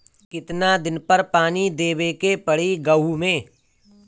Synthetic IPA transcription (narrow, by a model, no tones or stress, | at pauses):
kɪt̪nad̪ɪnpəɾpaːnid̪eːbekepɐɽ̤iɡɐumẽː